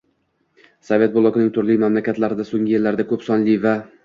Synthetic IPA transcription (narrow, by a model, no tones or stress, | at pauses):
sovʲe̞t̪̚bolˠɒkʲɪnɪŋt̪ʰʊɾlɪjmamlakʲat̪laɾɪd̪asoŋʲɪjelːaɾd̪akʰɵpsɒnlɪva